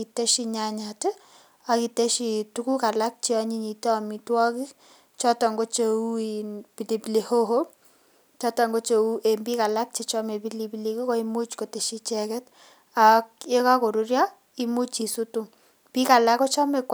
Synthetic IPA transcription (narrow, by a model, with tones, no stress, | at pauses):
i˨te˦ʃi˧ɲa˨ɲa˨te˦ | a˨ki˨te˦ʃi˨tu˦ku˦ka˨la˦k̚t͡ʃi˦ɔ˧ɲi˦ɲi˨tɔ˨mi˨twɔ˦ki˦ | t͡ʃɔ˦tɔ˨ŋɡo˦t͡ʃe˨u˦ipi˨li˨pi˨le˨ho˦ɦo˦ | t͡ʃɔ˦tɔ˨ŋɡo˦t͡ʃe˨u˦ʔe˨mbi˦ka˨la˦k̚t͡ʃe˨t͡ʃɔ˦me˨bi˦li˨pi˦li˦ki˦kɔ˦i˦mu˦t͡ʃko˨te˨ʃi˦t͡ʃɛ˦kɛ˦t | a˨ke˦ka˦ko˨ɾu˦rja˦ | i˦mu˦t͡ʃi˨su˦tu˦ | pi˦ka˨la˦ko˦t͡ʃɔ˦me˨k